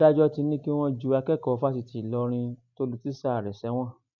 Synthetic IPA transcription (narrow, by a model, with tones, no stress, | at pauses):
a˦d͡ʒɔ˦ti˧nĩ˦ki˦w̃ɔ̃˦d͡ʒu˧˦a˧kɛ˦˨kɔ˨˦fa˦si˧ti˨i˨lɔ˧˦ɾ̃ĩ˧to˧lu˧ti˦sa˦˨ɾɛ˨sɛ˨˦w̃ɔ̃˦˨